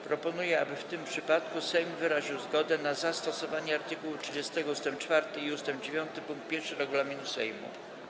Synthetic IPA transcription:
pɾɔpɔnujɛabɘft̪ɘmpʂɘpat̪kusɛjmvɘɾaʑiwzɡɔd̪ɛnazast̪ɔsɔvaɲɛaɾt̪ɘkuwutʂɘd͡ʑɛst̪ɛɡɔust̪ɛmp̚t͡ʂfaɾt̪ɘiust̪ɛmpd͡ʑevʲjɔnt̪ɘpuŋkt̪̚pʲjɛɾfʂɘɾɛɡulamʲinusɛjmṵ

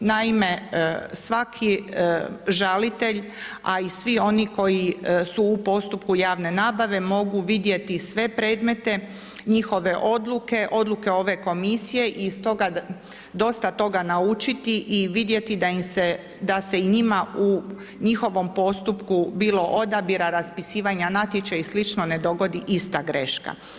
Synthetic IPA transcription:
naime̞sʋakʰi | ʒalit̪e̞ʎ | aisʋio̞niko̞jisuːpo̞st̪up̚kujaːʋne̞naːbaʋe̞mo̞ɡuʋid̪je̞t̪isʋe̞pɾe̞ːd̪me̞t̪e̞ | ɲixo̞ʋe̞ʔo̞d̪luke̞ʔo̞d̪luke̞o̞ʋe̞ko̞misije̞ʔist̪o̞ɡa | d̪o̞st̪at̪o̞ɡanaut͡ʃit̪iʔiʋid̪je̞t̪id̪aimse | d̪ase̞iɲimau | ɲixo̞ʋo̞mpo̞st̪upkubiːlo̞ʔo̞d̪abiɾaɾaspisiːʋaɲanat̪jet͡ʃaislit͡ʃno̞ned̪o̞ɡo̞d̪iʔist̪aɡɾe̞ʃka̰

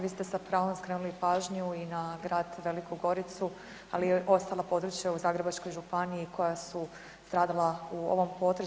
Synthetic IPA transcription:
ʋiːst̪e̞sapɾaːʋomskɾe̞ːnulipaːʒɲuinaɡɾaːd̪ʋe̞likuɡo̞ɾit̪su | a̰lijeʔo̞st̪alˠapo̞d̪ɾut͡ʃjauzaːɡɾe̞bat͡ʃko̞jʒupaniikʰo̞jasu | st̪ɾaːd̪alˠauo̰ʋo̞mpo̞t̪ɾ

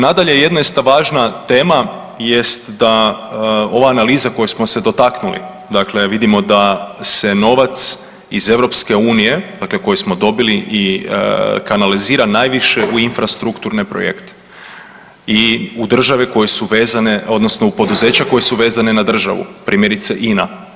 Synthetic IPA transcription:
nad̪aʎeje̞d̪nojest̪aʋaːʒnat̪e̞ːma | jest̪d̪a | o̞ʋaːnaliːzako̞jusmo̞se̞d̪o̞t̪aknulḭ | d̪akle̞ʋid̪imo̞d̪ase̞no̞ʋat̪s | ize̞ʋɾo̞pske̞uːnije̞d̪akleko̞jusmo̞d̪o̞biliʔi | kanaliziːɾanaːjʋiʃe̞ʔuinfɾast̪ɾukt̪uɾnepɾo̰jḛkt̪e̥ | iud̪r̩ʒaʋeko̞jesuʋe̞ːzane̞o̞d̪no̞sno̞upo̞d̪uze̞ːt͡ɕako̞je̞suʋe̞ːzane̞nad̪r̩ʒa̰ʋṵpɾʔiːmjeɾit̪seʔina

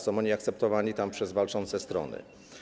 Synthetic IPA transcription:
sɔ̃w̃ɔɲiakt̪sɛp̚t̪ɔvaɲit̪ampʂɛzvalt͡ʂɔnt̪sɛst̪ɾɔ̰nɘ̰

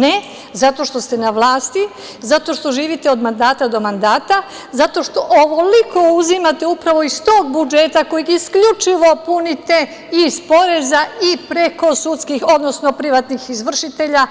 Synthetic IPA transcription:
ne | zat̪o̞ʃt̪o̞st̪e̞naʋlˠaːst̪i | zat̪o̞ʃt̪o̞ʒiːʋit̪eod̪mand̪aːt̪ad̪o̞mand̪aːt̪a | zat̪o̞ʃt̪o̞ʔoʋo̞liko̞uzimat̪e̞upɾaʋo̞ist̪o̞ːɡ̚bud͡ʒet̪ako̞jiɡiskʎut͡ʃiʋo̞punit̪e̞ | ispo̞ɾe̞zaipɾe̞ko̞sut̪skixo̞d̪nosno̞pɾiʋat̪nixizʋr̩ʃit̪e̞ʎa

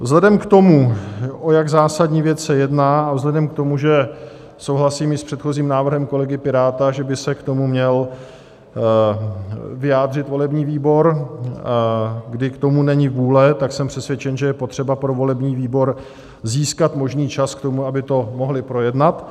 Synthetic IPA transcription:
vzɦlɛdɛmkt̪o̞muʔo̞jaɡzaːsadɲiːvjɛt͡ssɛjɛdnaːavzlɛdɛmk̚t̪o̞muʒɛ | sowɦlasiːmɪspr̝̥ɛt̪xo̞ziːmnaːvr̩ɦɛmko̞lɛɡɪpɪɾaːt̪aʒɛbɪsɛkt̪o̞mumɲɛl | vɪjaːd̪r̝ɪt̪vo̞lɛbɲiːviːbo̞ɾ | ɡdɪkt̪o̞munɛɲɪvuːlɛt̪aksɛmpr̥ɛsvjɛt͡ʃɛnʒɛjɛpo̞t̪r̥ɛbapɾo̞vo̞lɛbɲiːviːbo̞ɾ | ziːskat̪mo̞ʒniːt͡ʃaskt̪o̞muabɪt̪o̞mo̞ɦlɪpɾo̞jɛdnat̪

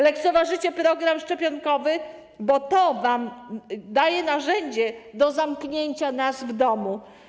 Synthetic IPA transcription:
lɛk̚t̪sɔvaʐɘt͡ɕɛpɾɔɡɾamʂt͡ʂɛpʲjɔŋkɔvɘ | bɔt̪ɔvamd̪ajɛnaʐɛɲd͡ʑɛd̪ɔzamkɲeɲt͡ɕanasvd̪ɔmu

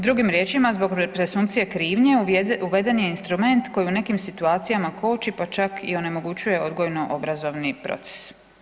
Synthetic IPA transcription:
d̪ɾuɡimɾje̞ːt͡ʃimazbo̞ɡpɾe̞sumkpt̪sijekɾiːʋɲeuʋe̞d̪e̞njeinst̪ɾume̞nt̪ko̞jiune̞kimsit̪uaːt̪sijamako̞ːt͡ʃipat͡ʃakʰio̞ne̞mo̞ɡut͡ɕuje̞o̞d̪ɡo̞jno̞ʔobɾazo̞ʋnipɾo̞̰t̪se̥s

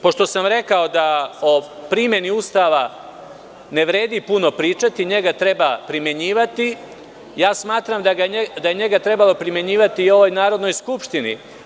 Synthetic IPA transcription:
po̞ʃt̪o̞samɾe̞kao̞d̪aopɾimje̞niust̪aːʋa | ne̞ʋɾe̞ːd̪ipuno̞pɾiːt͡ʃat̪iɲe̞ɡat̪ɾe̞bapɾimje̞ɲiːʋat̪i | jaːsmaːt̪ɾamd̪aɡad̪aje̞ɲe̞ɡat̪ɾe̞balo̞pɾimje̞ɲiːʋat̪iːo̞ʋo̞jnaːɾo̞d̪no̞jskupʃt̪inḭ

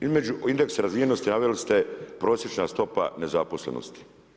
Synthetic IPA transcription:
izme̞d͡ʒuind̪e̞ksaɾazʋijenost̪inaʋelist̪epɾo̞ːsjet͡ʃnast̪o̞pa̰ne̞zapo̞slḛno̰st̪i̥

